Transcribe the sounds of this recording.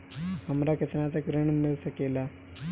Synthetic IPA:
əmɾaket̪ənat͡sakɾəɳmilsəkela

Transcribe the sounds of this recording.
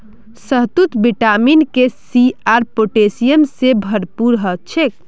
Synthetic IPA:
səɦt̪ut̪biʈaminkesiaɾpoʈesijemsebʱəɾpuɾɦət͡ʃʰek

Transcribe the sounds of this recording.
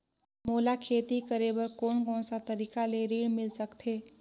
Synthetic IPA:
moːlakʰeːt̪ikəɾebəɾkoːnkɔːnsat̪əɾiːkaleɾiɽmɪlsəkt̪ʰeː

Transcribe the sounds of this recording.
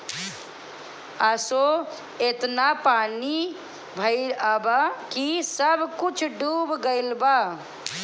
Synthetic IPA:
əso | et̪napani | bʱəɪɾəbakisəbʱkut͡ʃʰɖubɡəɪlba

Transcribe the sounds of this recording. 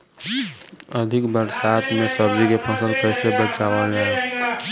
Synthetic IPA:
əd̪ʱikbəɾsat̪mesəb̚d͡ʒikepʰəsəlpəjsebət͡ʃaʋəlla

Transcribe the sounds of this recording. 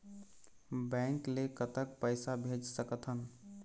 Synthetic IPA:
bɛ̃ŋklekət̪ək̚pəɪsabʱed͡ʒsəkət̪ɦən

